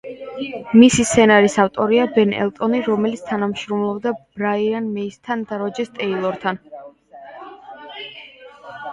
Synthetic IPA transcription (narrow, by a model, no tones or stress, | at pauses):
misist̪sʰɛnaɾisaft̪ʼɔɾiabɛnɛ̰lˠt̪ʼɔniɾɔmɛlit̪sʰt̪ʰanamʃɾɔmlˠɔbd̪ab̥ɾaianmɛist̪ʰand̪aɾɔd͡ʒɛst̪ʼɛilˠɔɾt̪ʰan